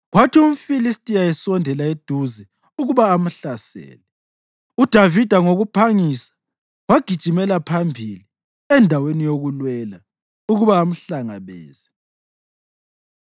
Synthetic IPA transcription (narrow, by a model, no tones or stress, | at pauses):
ɣwatʰium̩filistʼiaɛsɔndʱɛlaed̥ʱuzɛ | uɣuβaːm̩ɬasɛ̰ːlɛ | ud̥ʱavid̥ʱaŋoɣupʰaŋisḁ | waɡ̥ʱid̥ʒ̥ʱimɛlapʰambʱili | ɛndʱawenijoɣulwɛla | uɣuβaːm̩ɬaŋa̰βɛ̰ːz̥ɛ